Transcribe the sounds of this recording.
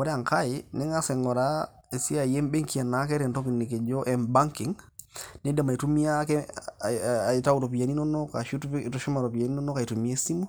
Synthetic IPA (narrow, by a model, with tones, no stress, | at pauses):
wɔ˨˦ɾɛ˦a˨ŋka˦jɪ˨nɛ˦ŋa˦sɛ˨ŋɔ˨ɾa˦ | e˨si˦a˨je˦mbe˦ŋki˨a˨na˨˦kɛ˦ɾɛ˨nto˦ki˨nːe˨ke˨d͡ʒo˦ʔɛ˨mba˦ŋki˨ŋne˦de˨ma˨i˨tu˦mi˦a˦kɛ˦ | a˨i˨ta˦u˨ɾo˨p̬i˨ja˨ni˦nɔ˦nɔ˦ka̰˨ʃtɔ˨ʃu˦ma˨ɾo˨pi˨ja˨ni˦nɔ˦nɔ˦ka˨i˨tu˨mi˦e˦si˦mu˦